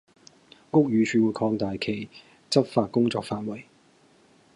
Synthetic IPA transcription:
ŋʊ˥k̚jyː˨˧t͡ʃʰyː˨˧wuː˨˧jkʰɔː˧ŋt̪aː˨jkʰe˨˩j | t͡sɐ˥p̚faː˧t̚kʊ˥ŋt͡sɔ̰ː˧kfaː˧t̚wɐ˨˩j

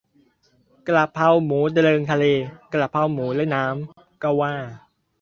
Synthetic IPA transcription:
kla˨˩pʰːa˧wmuː˩˦da˧ɾɤː˧ŋt̪ʰa˧leː˧kla˨˩pʰːa˧wmuː˩˦lɛ˦˥˩jnaː˦˥m | kɔ˥˩waː˥˩

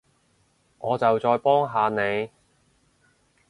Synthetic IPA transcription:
ʔɔː˨˧t͡sɐ˨wt͡sɔː˧jpɔː˥ŋɦaː˨˧ne˨˧j

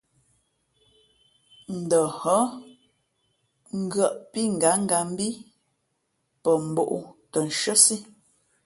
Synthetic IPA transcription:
n̩˨də˨hə˦ | ŋ̩˦ɡɰə˦˨ʔpi˦ŋ̩˨ɡa˨˦ŋ̩˦ɡa˨m̩˦bi˦ | pə˨m̩˨bo̰˨ʔṵ˦tə˨n˨ʃə˦si˦

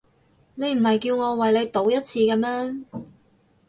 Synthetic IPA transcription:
ne˨˧jm̩˨˩hɐ˨jkiː˧wŋɔː˨˧wɐ˨jle˨˧jt̪o˨˧˥wjɐ˥t̚t͡sʰiː˧kɛː˧mɛː˥

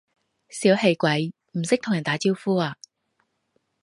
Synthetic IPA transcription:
siː˨˥whe˧jkʷɐ˨˥j | m̩˨˩sɪ˥k̚t̪ʰʊ˨˩ŋjɐ˨˩nt̪aː˨˥t͡siː˥wfuː˥aː˨˧

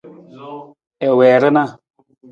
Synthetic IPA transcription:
ɛ˨wɛː˨ɾɨ˦na˦˨

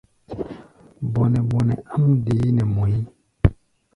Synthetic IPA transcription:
bɔ˨nɛ˨bɔ˨nɛ˨a˦mde˨˦nɛ˨mo˨ji˦

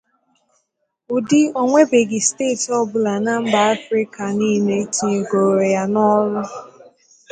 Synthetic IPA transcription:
ʊ˨dɪ˦o˦ŋʷe˦be˨ɡɪ˨steː˦˨tɔ˦bʊ˦la˨na˦m̩˦ba˨a˦fɾi˦ka˨ni˦˨ne˦ti˨e˨ɡo˨ɾe˨ja˦nɔ˦lʊ˦

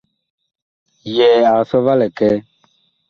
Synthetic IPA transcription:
jɛ˨a˨sɔ˦va˦lɛ˨kɛ˦

